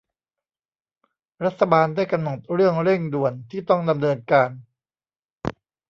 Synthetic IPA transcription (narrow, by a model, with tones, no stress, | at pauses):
ɾa˦˥t̪̚ʰːa˧baː˧ndaː˥˩jka˧mno˨˩t̪̚ɾɯ˥˩əŋɾe˥˩ŋdu˨˩ənt̪ʰiː˥˩t̪ɔ˥˩ŋda˧mnɤː˧nkaː˧n